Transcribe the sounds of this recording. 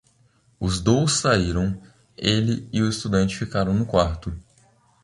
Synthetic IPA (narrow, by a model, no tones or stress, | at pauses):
ʊzd̪owsːaiɾɐ̃w̃ | elɪɪʊɪst̪ud̪ɐ̃nt͡ʃɪfikaɾɐ̃w̃nʊkwaɾt̪ʊ